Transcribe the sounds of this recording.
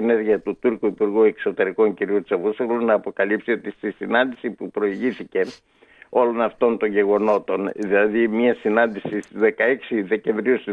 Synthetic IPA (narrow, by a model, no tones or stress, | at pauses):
ene̞ɾʝiɐt̪ut̪uɾkuipuɾɣue̞kso̞t̪e̞ɾiko̞ŋciɾiut͡sevusθelunɐːpo̞kɐlipsio̞t̪ist̪isinɐnd̪isipupɾo̞iʝiθice̞ | o̞lo̞nɐft̪o̞nt̪o̞ɲɟe̞ɣo̞no̞t̪o̞nðilɐðimɐsinɐnd̪isist̪izðe̞kɐeksiðe̞ce̞ɱvɾiust̪i